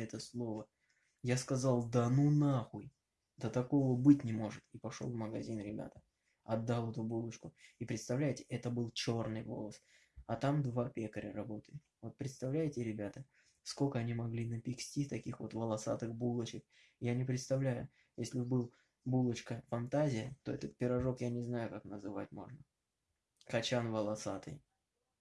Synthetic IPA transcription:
ɛt̪əslˠo̞və | jaskɐzɑlˠd̪anunaxuj | d̪ət̪ɐko̞vəbɨtʲnʲɪmo̞ʐɨt̪ipɐʂolˠvməɡɐzʲinɾʲɪbʲa̰t̪ə̥ | ɐd̪ːalˠɛt̪ʊbulˠət͡ɕkʊipɾʲɪt̪st̪ɐvlʲæjɪtʲɪ̥ʔɛt̪əbɨlˠt͡ɕo̞rnɨjvo̞̰lˠəs | ɐt̪amd̪vapʲekəɾʲə̰ɾɐbo̞t̪əɪt̪vo̞t̪̚pɾʲɪt̪st̪ɐvlʲæjɪtʲɪɾʲɪbʲat̪ə | skolʲkəɐnʲimɐɡlʲinəpʲɪksʲtʲit̪ɐkʲixvo̞̰t̪vəlˠɐsa̰t̪ɨxbulˠət͡ɕɪk̚ | janʲɪpɾʲɪt̪st̪ɐvlʲæjʊ | jesʲlʲɪbbɨlˠ | bulˠət͡ɕkəfɐnt̪azʲɪjət̪o̞̰ɛt̪ət̪̚pʲɪɾɐʐo̞kjanʲɪznajʊkaknəzɨvat̚ʲmo̞̰ʐnə | kɐt͡ɕanvəlˠɐsat̪ɨ̰j

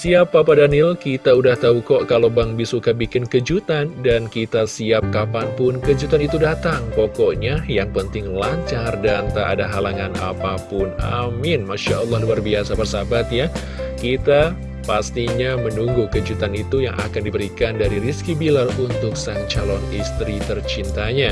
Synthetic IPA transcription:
siapːapadanɪlkit̪audaht̪aukɔʔkalobaŋbisukabikɪnkəd͡ʒut̪andankit̪asiap̚kapanpʊnkəd͡ʒut̪anit̪udat̪aŋpɔkɔʔɲajaŋpənt̪ɪŋlaɲt͡ʃardant̪aʔa̰daɦalaŋana̰papʊna̰mɪnmaʃaʔɔlːɑhluarbiasabərsabat̪̚ja | kit̪a | past̪iɲamənuŋɡukəd͡ʒut̪anit̪ujaŋa̰kandibəɾikandaɾiriskibilarunt̪ʊksaŋt͡ʃalɔnist̪ɾit̪ərt͡ʃint̪aɲa

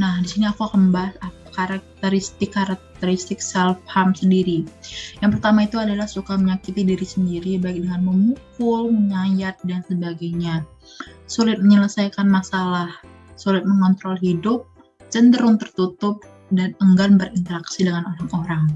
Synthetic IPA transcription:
nahdisiniakuhəmbasapakaɾak̚t̪əɾist̪ɪkːaɾak̚t̪əɾist̪ɪksɛlfhamsəndiɾijaŋpərt̪amait̪uadalahsukaməɲakit̪idiɾisəndiɾibaɪk̚dəŋanməmukʊlməɲajat̪̚dansəbaɡaɲa | sulɪt̪̚məɲələsajkanmasalah | sulɪt̪̚məŋɔnt̪ɾɔlɦidʊp̚ | t͡ʃəndəɾʊŋt̪ərt̪ut̪ʊp̚ | danəŋɡanbəɾint̪əɾaksidəŋanoɾaŋoɾaŋ

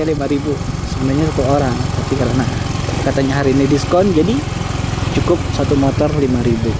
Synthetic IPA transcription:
alimaɾibusəbənaɲasuk̪uoɾaŋt̪apikaɾənakat̪aɲaɦaɾiːnidiskɔnd͡ʒadi | t͡ʃukʊp̚sat̪umɔt̪ɔrlimaɾibu

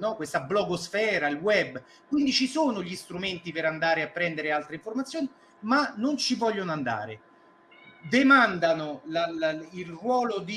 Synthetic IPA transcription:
nɔkwest̪ablɔɡosfɛːɾailwɛbː | kwind̪it͡ʃisoːnoʎist̪ɾument̪ipeɾand̪aːɾeapːɾɛnd̪eɾealt̪ɾeiɱformat̪sːjoːni | manːont͡ʃivɔʎːonand̪a̰ːɾe | d̪emand̪anolalailrwɔːlod̪i

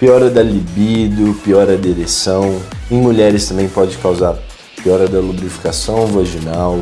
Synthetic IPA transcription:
piɔɾɐd̪ɐlibid̪ʊpiɔɾɐd̪eɾesɐ̃w̃ẽj̃muʎɛɾɪst̪ɐ̃mbẽj̃pɔd͡ʒɪkawzaɾ | piɔɾɐd̪ɐlubɾifi̥kasɐ̃w̃vaʒinaw

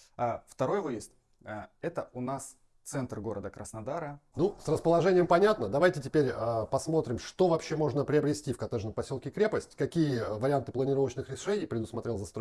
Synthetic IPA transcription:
aft̪ɐɾo̞jvɨjɪst̪ː | ɛt̪əʊnas | t̪sɛnt̪rɡo̞ɾəd̪əkɾəsnɐd̪aɾənusrəspəlˠɐʐɛnʲɪjəmpɐnʲat̪nəd̪ɐvajtʲɪtʲɪpʲeɾʲəpɐsmo̞t̪ɾʲɪmʂt̪o̞vɐpɕːemo̞ʐnəpɾʲɪɐbɾʲɪsʲtʲifkɐt̪ɛʐnəmpɐsʲolˠkʲɪkɾʲe̞pəsʲtʲkɐkʲijəvəɾʲɪant̪ɨplˠənʲɪɾo̞vət͡ɕnɨxɾʲɪʂɛnʲɪjpɾʲɪd̪ʊsmɐt̪ɾʲe̞lˠzɐst̪ɾo

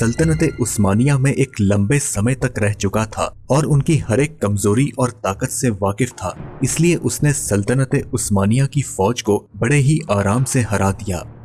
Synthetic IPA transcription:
sɐlt̪ənət̪eʔʊsmaːnijamẽʔeːklɐ̃mbesɐməjt̪ɐkɾɛɦt͡ʃʊkat̪ʰa̰ː | ɔːɾʊnkihɐɾeːkːɐmzoːɾiʔɔːɾt̪aːkət̪seʋaːkɪft̪ʰa̰ːɪslieʔʊsnesɐlt̪ənət̪eʔʊsmaːnijakifɔːd͡ʒkobɐɽeɦiʔaːɾaːmseɦɐɾaːd̪ija̰ː

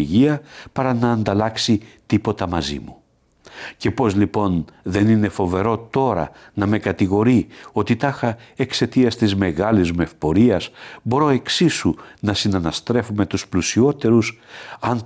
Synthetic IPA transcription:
ʝiɐpɐɾɐnɐːnd̪ɐlɐksit̪ipo̞t̪ɐmɐzḭmu | ce̞po̞zlipo̞nðe̞nine̞fo̞ve̞ɾo̞t̪o̞ɾɐ̰ | nɐme̞kɐt̪iɣo̞ɾio̞t̪it̪ɐxɐe̞kse̞t̪iɐst̪izme̞ɣɐlizme̞fpo̞ɾiɐsbo̞ɾo̞e̞ksisunɐsinɐnɐst̪ɾe̞fume̞t̪usplusio̞t̪e̞ɾusɐn

